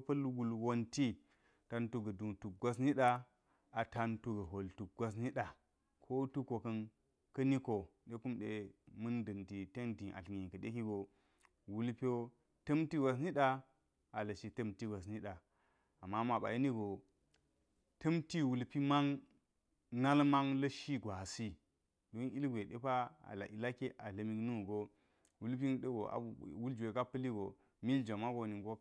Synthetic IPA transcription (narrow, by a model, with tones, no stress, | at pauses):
pɐ˦lwu˨lwo˦nti˦ | ta˦ntu˦ɡɐ˨du˨tu˨k̚ɡʷa˦s̬ni˦ɗa˦ | a˨ta˦ntu˦ɡɐ˨ɦo˨ltu˨k̚ɡʷa˦s̬ni˦ɗa˨ | kʰo˦tu˦ko˨kɐ˦n | kɐ˦ni˦ko˨ɗe˦ku˦mɗe˨mɨ˦ndɐ˨nti˨te˦ndi˨ʔa̰˨ɬɡi˨kɐ˨ɗe˦ki˦ɡo˨ | wu˦lpi˦o˦ | tɐ˦mti˦ɡʷa˨s̬ni˦ɗa˦ | a˨lɐ˨ʃi˨tɐ˦mti˦ɡʷa˨s̬ni˦ɗa˨ | a˨mːa˦ma˨ɓa̰˨ji˦ni˦ɡo˨ | tɐ˦mti˦wu˨lpi˦ma˦ŋ | na˦lma˦ŋlɐ˦ʃi˦ɡʷa˨si˦ | do˨˦ni˦lɡʷe˨ɗḛ˦pa˦a̰˨la̰˨ʔi˨la˦ke˦ʔa˨lɐ˨mi˦knu˦˨ɡo˦ | wu˦lp̬i˦n˦ɗə˦ɡo˨a̰˨wu˦ld͡ʒe˨ka˦pɐ˦li˦ɡo˨ | mi˦ld͡ʒa˨ma˦ɡo˨ni˨ɡo˦